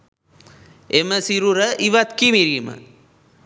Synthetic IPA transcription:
eməsiɾuɾɐʔiʋat̪kimiɾimɐ̰

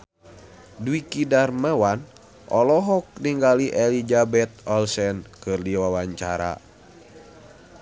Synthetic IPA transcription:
duikidarməwan | ʔɔlɔɦɔk̚niŋɡaliʔɛlid͡ʒabɛt̪̚ɔlsɛnkɨrdiwawaɲt͡ʃaɾa̰

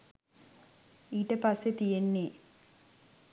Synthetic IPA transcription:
iːʈɐpɐset̪ijenːe

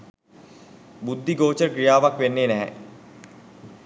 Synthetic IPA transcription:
bud̪ʱːiɡoːt͡ʃəkɾijaːʋakʋenːeːnɛɦɛ̰

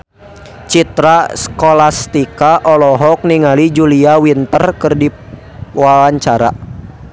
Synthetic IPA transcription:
t͡ʃit̪ɾaskolast̪ikaʔɔlɔɦɔk̚niŋalid͡ʒuliawint̪ərkɨrdi | wawaɲt͡ʃaɾa̰

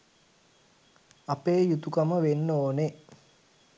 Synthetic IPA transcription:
apeːjut̪ukaməʋenːoːne

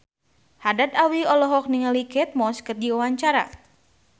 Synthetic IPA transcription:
hadat̪awiɔlɔɦɔk̚niŋalikɛt̪̚mɔskərd͡ʒiwawaɲt͡ʃaɾa̰

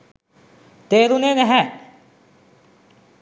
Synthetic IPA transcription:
t̪eːɾunenɛɦɛ

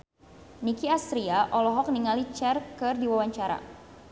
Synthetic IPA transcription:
nikiast̪ɾiaʔɔlɔɦɔk̚niŋalit͡ʃɛrkɨrdiwawaɲt͡ʃaɾa̰

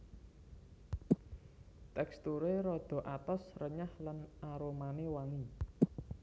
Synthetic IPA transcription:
t̪ɛkst̪uɾeɾɔd̪̥ɔ̤ʔat̪ɔsrəɲahlanaɾomanewaŋi

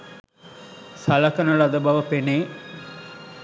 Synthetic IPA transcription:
sɐlɐkɐnəlɐd̪əbɐʋəpeneː

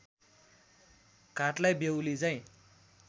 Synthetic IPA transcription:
kaʈlajbewlit͡saĩ

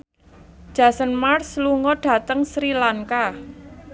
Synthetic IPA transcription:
d̥ʒ̥a̤sənmarsluŋɔɖ̥ä̤t̪əŋsɾilaŋka

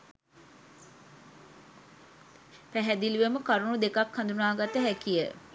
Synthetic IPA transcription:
pæɦɛd̪ilʋeməkaɾunud̪ekakhand̪unaːɡat̪əɦækijə

